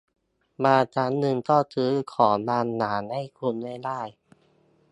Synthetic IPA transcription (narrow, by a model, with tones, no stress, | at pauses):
baː˧t͡ɕaː˨˧˥nːɯ˧ŋt̪ɔː˥˩t̪ʰɯː˦˥kʰɔː˩˦laː˧nːaː˩˦nha˥˩jkʰu˧nːa˥˩jlaː˥˩j